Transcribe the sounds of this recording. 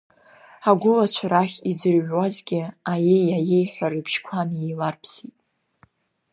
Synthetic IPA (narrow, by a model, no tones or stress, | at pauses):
aɡʷʊlat͡ɕʷʰɾaχʲid͡zɨrʕwazɡʲɪajejajejħʷᶣaɾɨpʰʃkʷʰanjelarpʰsitʼ